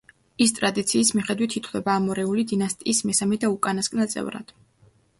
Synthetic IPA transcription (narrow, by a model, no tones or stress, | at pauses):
ist̪ʼɾad̪it̪sʰiːsmiχɛd̪wit̪ʰit̪ʰχʰd̪ɛbaːmɔɾɛulid̪inast̪ʼiːsmɛsamɛd̪aukʼanaskʼnat̪sʼɛ̰vɾa̰d̪̥